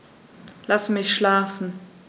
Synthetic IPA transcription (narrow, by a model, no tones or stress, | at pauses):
lasmɪçʃlaːfn̩